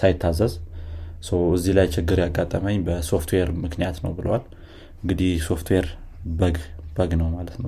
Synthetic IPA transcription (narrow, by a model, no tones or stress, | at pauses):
sajɪt̪ʰːazəzsəwɨzːihlajt͡ʃɪɡːɨɾjaɡːat̪ʼːəməɲːbəso̞ft̪ʰweɾmɨknijat̪nəwbɨləwal | ɨŋɡɨd̪ihso̞ft̪ʰweɾbəɡb̥əɡnəwmalət̪nəw